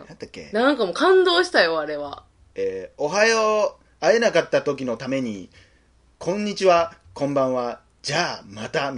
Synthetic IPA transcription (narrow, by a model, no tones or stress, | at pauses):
nãt̪ːakʲːḛnãŋkamo̞kãnd̪o̞ːɕi̥t̪ajo̞aɾe̞βa | eːo̞ɦaeo | aenakat̪ːat̪o̞kʲino̞t̪ame̞ɲ̟ḭ | kʰõ̞ɲ̟ːit͡ɕiβa | kõ̞mbãɰ̃βa | d͡ʑaːmat̪a